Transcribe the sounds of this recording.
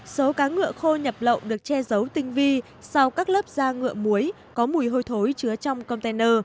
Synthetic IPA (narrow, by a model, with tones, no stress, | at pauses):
so˨˦kaː˨˦ŋɨ̰˧˨əxo˧ɲə˨˩p̚lə̰˧˨wŋ͡mɗɨ˨˩ək̚t͡ɕɛ˧zə˨˦wt̪ï˧ŋ̟vi˧ | sa˧wkaː˦˥k̚ləː˦˥p̚zaː˧ŋɨ̰˧˨əmu˨˦əj | kɔ˨˦mu˨˧˩əjɦo˧jt̪ʰo˨˦jt͡ɕɨ˨˧ət͡ɕɔ˧wŋ͡mkə˧wŋ͡mt̪e˧nəː˧